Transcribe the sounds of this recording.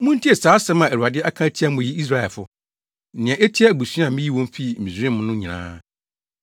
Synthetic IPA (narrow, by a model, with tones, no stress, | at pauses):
mũ˦n̩˦tʰi˦ɛ˨saː˨˦sɛ̃˦mã˨æ˨ɾu˨a˨dɪ˦a˦kʰã˦tʰi˦a˦mʊ̃˨ji˦i˦s̬ɾa˦ɛ˨fʊ˦ | n̩˨nɪ̃˨ɛ̃˨ʔe˦tʰi˦ɛ˦˨bu˨sũ˦ã˨mɪ̃˦ji˦wɔ̃˦m̩˦fi˦˨ĩ˨sɾɪ̃˦mʊ̃˦nʊ̃˦ɲĩ˨nã̰ː˦